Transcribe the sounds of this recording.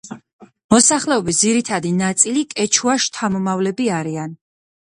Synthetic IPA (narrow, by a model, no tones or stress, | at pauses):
mɔsaχlɛɔbis̬d̪ziɾit̪ʰad̪inat̪sʼilikʼɛt͡ʃʰuaʃt̪ʰamɔmavlɛbiaɾian